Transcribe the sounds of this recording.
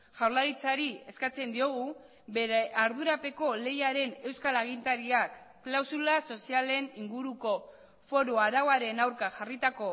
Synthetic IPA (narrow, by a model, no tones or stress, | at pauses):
ʝawɾlaɾit͡saɾie̞skat͡se̞nd̪io̞ɣu | beɾeaɾðuɾape̞ko̞le̞jaɾe̞ne̞wskalaɣ̞int̪aɾiakːlawsulaso̞siale̞niŋɡuɾuko̞ | fo̞ɾoaɾawaɾe̞nawɾkaʝarit̪ako̞